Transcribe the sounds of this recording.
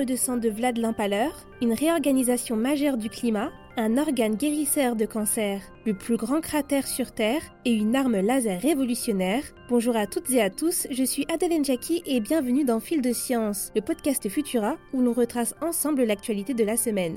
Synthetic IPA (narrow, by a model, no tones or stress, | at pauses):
əd̪əsɑ̃d̪əvlad̪lɑ̃palœʁ | ynʁeɔʁɡanizasjɔ̃maʒœʁd̪yklima | ɛ̃nɔʁɡanɡʲeʁisœʁd̪əkɑ̃sɛʁ | ləplyɡʁɑ̃kχat̪ɛʁsyʁt̪ɛːʁ | eynaʁməlazɛʁːevɔlysjɔnɛʁ | b̥ɔ̃ʒuʁat̪ut̪zeat̪usʒəsɥiʔad̪ɛlɛnʒakʰʲiʔɛbjɛ̃vənyd̪ɑ̃fild̪əsjɑ̃sləpɔd̪̚kast̪əfyt̪ʰyʁaulɔ̃ʁət̪χasɑ̃sɑ̃bləlak̚t̪ɥalit̪ed̪əlasəmɛn